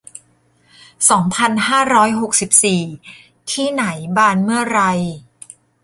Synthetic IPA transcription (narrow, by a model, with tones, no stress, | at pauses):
sɔː˩˦ŋpʰa˧nhaː˥˩ɾɔː˦˥jɦo˨˩k̚si˨˩p̚siː˨˩ | t̪ʰiː˥˩na˩˦jbaː˧nmɯ˥˩ɐɾa˧j